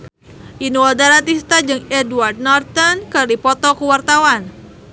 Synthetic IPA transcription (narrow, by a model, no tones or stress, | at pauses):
ʔinuɔdaɾat̪ist̪ad͡ʒɨŋɛduard̪̚nɔrt̪ənkərdipɔt̪ɔkuwart̪awan